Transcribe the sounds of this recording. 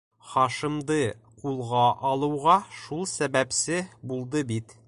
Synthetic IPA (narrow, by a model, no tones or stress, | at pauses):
χɒʃĭmd̪ɤ | qulˠʁɑʔɒlˠɤ̆wʁɑʃulˠsæbæpsɘbulˠd̪ɤbit̪